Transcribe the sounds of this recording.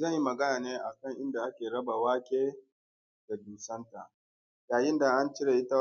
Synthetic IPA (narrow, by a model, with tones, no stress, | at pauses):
zɐ˦ɲji˦mɐ˨ɡɐ˦naː˨neː˦ʔa˨kɐ˦˨ŋʔɪ˦nda˨ʔa˦kʲeː˨ɽɐ˦ba˨waː˦kʲʼeː˦ | d̥a˨duː˨sɐ˦nta˨ʔ | jaː˨jɪ˦nda˨ʔa˦nt͡ʃɪ˦ɽe˨ʔɪ˦ta˦